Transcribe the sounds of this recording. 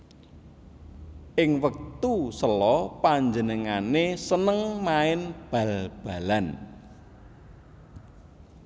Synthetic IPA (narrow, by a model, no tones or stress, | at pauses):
ʔɪŋwək̚t̪usəlɔpaɲd͡ʒənəŋanesənəŋmaɪnb̥a̤lb̥a̤lan